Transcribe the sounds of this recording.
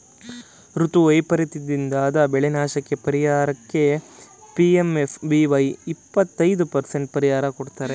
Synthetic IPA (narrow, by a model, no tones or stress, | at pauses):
ɾut̪uɐjpɐɾit̪id̪ind̪aːd̪ɐbɛɭenaːʃɐkːe̞pɐɾijaːɾɐkːe̞piemefʰbiʋɐjipːɐt̪ːɐjd̪upɐɾse̞ɳʈ̚pɐɾijaːɾɐkoɽt̪aːɾe